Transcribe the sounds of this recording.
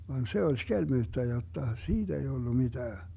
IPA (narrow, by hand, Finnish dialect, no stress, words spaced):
ʋɑn se olʲ skelmyːtːæ jotːɑ siːd̥ ei d̥ulːu mid̥æː